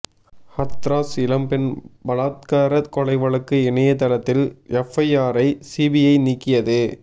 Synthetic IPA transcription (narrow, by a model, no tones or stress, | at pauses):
hɐt̪ɾaːsɪlɐmpɪnbɐlaːt̪̚kaːɾɐðkɔlɐɪʋɐɭɐkːɯɪɳɐjɐt̪ɐɾɐt̪ːɪlɛfɐɪaːɾɐɪsiːbɪjɐɪniːkːɪjɐðɯ